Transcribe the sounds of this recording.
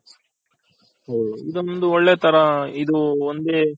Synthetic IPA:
oid̪ond̪uoɭːeːt̪ʰɐɾɐid̪uond̪eː

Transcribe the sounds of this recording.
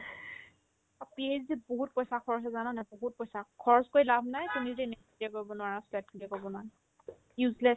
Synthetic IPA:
apieziboɦut̚pɔjsakʰɔɹɔs̬ɛzanɔnaboɦut̚pɔjsakʰɔɹɔskojlabʱnajtiniztinɛtkʰidiakoɹbɔnʊwaɹaslɛt̚kʰidiakoɹbɔnan | juzlɛ

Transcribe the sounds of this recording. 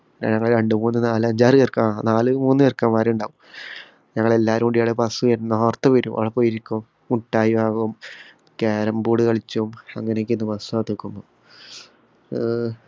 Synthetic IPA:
na̰ːɲɐŋːɐɭiɾeɳɖɨmuːnːɨnaːlɨɐɲd͡ʑaːrɨerkaːnaːlɨmuːnːɨerkːaːmaːɾiuɳɖaːʋum | ɲɐŋːɐɭe̞lːaːɾumuɖijaːɽepɐsuʋɐɾunːɐoːrt̪ːɐʋɐɾumʔɐ̰ʋɐɭɐpoːjiɾikʲːuum | uʈːaːjiʋaːɣɐum | keːɾɐmbuːɽɨkɐɭit͡ɕːɐumɐŋːɐnekːinːɨpɐsuaːt̪ːokːumːo

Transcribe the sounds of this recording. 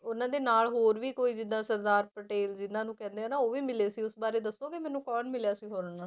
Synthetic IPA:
ʊnãːd̪eːnaːlɦoːɾʋiːkoːiːd͡ʒɪd̪ãːsəɾd̪aːɾpəʈeːld͡ʒɪnãːnũːkɛ̃ːnd̪eãːnaːoːʋiːmɪleːsiːʊsbaːɾeːd̪əsːoːkɪmɛ̃ːnũːkɔːnmɪljaːsiːɦoːɾnãː

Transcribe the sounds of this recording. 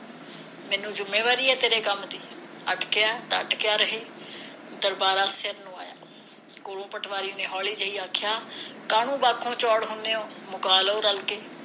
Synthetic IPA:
mɛ̃ːnũːd͡ʒʊmːeːʋaːɾiːɛːt̪eːɾeːkəmd̪iː | əʈkɪjaːt̪aəʈkɪjaːɾəɦeː | d̪əɾbaːɾaːseɾnũːa̰ːja̰ː | koːɽõːpəʈʰʋaːɾiːnẽːɦɔːliːd͡ʒəiːaːkʰjaːkaːnũːbaːkʰːõːt͡ʃɔːɽɦʊneːõːmʊkaːloːɾəlkeː

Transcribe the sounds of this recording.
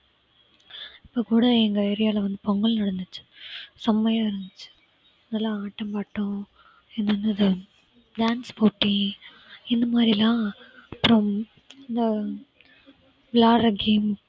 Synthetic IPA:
ɪpːoːkuːɽɐɛŋɡɐɛɾɪjaːlɐʋɐnd̪ɯpɔŋɡɐɭnɐɽɐnd̪ɯt͡ʃːɯ̥sɐmːɐjaːɪɾɯnd̪ɯt͡ʃːɯ̥ | naːlːãaːʈːɐmpaːʈːõ | ɛnːɐnːɯɐðɯ | ɖaːnspoːʈːi | ɪnd̪ɐmaːd̪ɾilãːɐpːɾɐ̃m | ɪnd̪ɐ | blaːɾɐɡeːm

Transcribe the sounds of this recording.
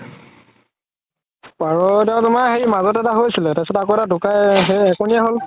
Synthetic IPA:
paɹɔdɛʊ̃tʊmaxejmazɔtɛtaɦojsilɛtajsɔtɛakoɛtadʊkajɦeɛkʊnijaɦol

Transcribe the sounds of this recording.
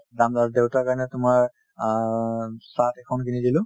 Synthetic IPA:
damdadewtakaɹnɛtʊmaɹ | satɛkʰɔnkinidilʊ

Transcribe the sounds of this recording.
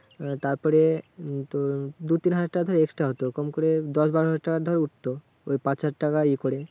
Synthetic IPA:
t̪aɾpɔɾet̪od̪ut̪inɦad͡ʑaʈːakad̪ʱɔɾeɛke̥sʈɾaɦot̪okɾɔmkoɾed̪ɔʃbaɾoɦad͡ʑaʈʈːakaɾd̪ʱɔɾeuʈt̪o | ojpãt͡ɕad͡ʑʈːakaikoɾe

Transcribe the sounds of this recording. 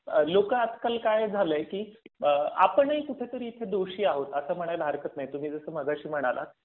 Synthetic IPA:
əlokəad̪kalkajd͡zʱaləjkiː | a̰pəɳik̪uʈʰet̪əɾiːt̪ʰed̪oɕiːaɦot̪əsəːm̤əɽ̃ajləɦəɾkət̪najt̪um̤iːd͡zəsəːm̤əɡaɕiːm̤əɽ̃alʔa̰

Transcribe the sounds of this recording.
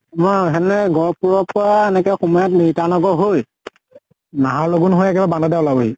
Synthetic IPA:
mɔɦɛnɛɡɔɹpuɹɔpʊɹaɛnɛkɛxumɔjatnitanɔɡɔɦoj | naɦaloɡunɦojakibabanɔdɛɔlaboɦi

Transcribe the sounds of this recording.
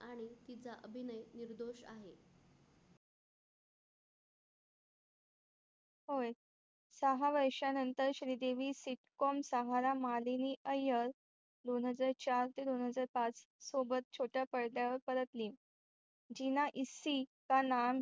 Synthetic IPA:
aɽ̃it̪it͡saʔəbʱinəjniɾd̪oɕa̰ɦe | hoj | səɦaʋəɾʂjanənt̪əɾɕɾid̪eʋisiʈkɔmsəɦaɾamaleniʔəjəɾ | d̪onɦəd͡zaɾt͡ɕaɾt̪id̪onɦəd͡zaɾpat͡ssobət̪̚t͡ɕʰoʈjapəɽd̪jaʋəɾpəɾət̪liːm | d͡ʑinaʔisikanam

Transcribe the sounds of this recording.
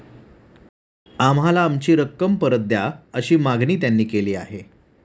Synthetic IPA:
amɦalaːmt͡ɕiːɾəkːəmpəɾət̪̚d̪jaəɕiːmaɡniːt̪janːiːkeliːa̰ɦe

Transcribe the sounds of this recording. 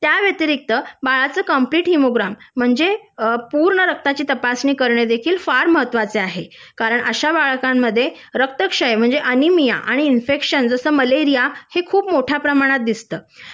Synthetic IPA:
t̪jaʋjet̪iɾik̚t̪əbaɭat͡səːkəmpliːʈɦimoɡɾam̤ːəɳd͡zepuɾɳəɾək̚t̪at͡ɕiːt̪əpasniːkəɾɳed̪ekʰiːlfaɾməɦət̪ʋat͡seaɦe | kaɾəɳʔəɕabaɭkamːəd̪ʱːje | ɾək̚t̪əkʂəjem̤əɳd͡zeʔənimija̰ʔa̰ɽ̃iːnfekʂənd͡zəsəːməleɾijahekʰuːpmoʈʰjapɾəmaɽ̃at̪̚d̪ist̪əː

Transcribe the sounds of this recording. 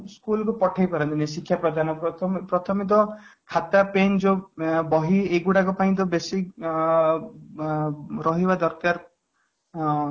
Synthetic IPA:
skulkupɔʈʰajpɔɾɔnt̪inesikʰːjapɾɔd̪ʱanɔpt̪ʰpɾɔt̪ʰɔmit̪̬ɔ | kʰat̪apend͡ʒobɔɦieɡuɽak̬ɔpaĩt̪̬ɔbesik | ɾɔɦibad̪ɔɾkaɾ

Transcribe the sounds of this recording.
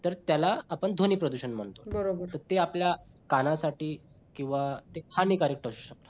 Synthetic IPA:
t̪əɾt̪jalaːpəɳd̪ʱoniːpɾəd̪uɕənm̤əɳt̪obəɾobəɾt̪əɾt̪eaplja | kanãsaʈiː | kĩw̃ʋat̪ehaniːkaɾek̚ʈəɕu̥ːɕək̚t̪ḁ

